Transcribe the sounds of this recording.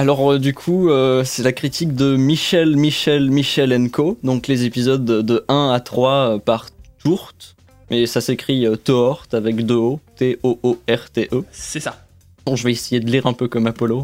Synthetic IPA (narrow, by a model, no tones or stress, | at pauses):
alɔʁd̪ykʰuøsɛlakχit̪ʰik̚d̪əmiʃɛlmiʃɛlmiʃɛlɛnkod̪ɔ̃klezepizɔd̪dːəɛ̃at̪χwaøpaʁt̪uʁt̪ | mɛsasekχiøt̪oɔʁt̪avɛkd̪øot̪eʔoʔoɛʁt̪eʔøsɛsa | d̪ɔ̃ʒəvɛesejed̪əliʁɛ̃pøkɔmapɔlo